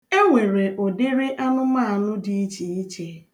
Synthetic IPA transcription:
e˦ŋʷe˨ɾe˨ʔʊ˨dɪ˦ɾɪ˦ʔa˦nʊ˦ma˦a˨nʊ˦di˨i˦t͡ʃe˨i˦t͡ʃe˦

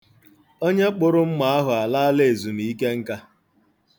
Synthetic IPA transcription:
o˦ɲe˦k͡pʊ˨ɾʊ˦m̩˦ma˦a˦ɦʊ˨a˨laː˦le˨e˨zu˨m̩˨i˦ke˦ŋ̩˦ka˦

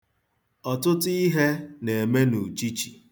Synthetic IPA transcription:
ɔ˨tʊ˦ti˦ɦe˦ne˨e˨me˦nu˨t͡ʃi˦t͡ʃi˨

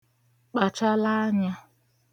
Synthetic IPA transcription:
k͡pa˨t͡ʃa˦la˦ɲa˦

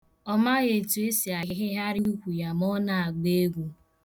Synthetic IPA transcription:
ɔ˦ma˦ɣe˨tu˨e˦si˨a˨ɣɪ˦ɦɪ˦ɦa˦ɾɪ˦u˦kʷu˨ja˨mɔ˦na˨a˨ɡ͡be˦ɡʷu˦

